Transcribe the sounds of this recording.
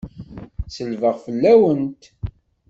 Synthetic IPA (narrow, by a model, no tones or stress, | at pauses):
səlvəʁfəlːæwənt̪